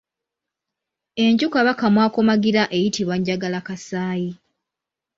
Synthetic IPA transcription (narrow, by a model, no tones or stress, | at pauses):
e̞ɲɟukaβakamwaːkomaɡiɾaʔe̞jitiβwaɲɟaɡalakasaːji